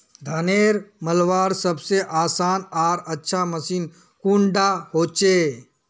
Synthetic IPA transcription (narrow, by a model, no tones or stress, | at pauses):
d̪ʱaːneːɾməlʋaːɾsəbseʔaːsaːnaːɾətːʃʰaməsiːn | kũɳɖahoːt͡ʃe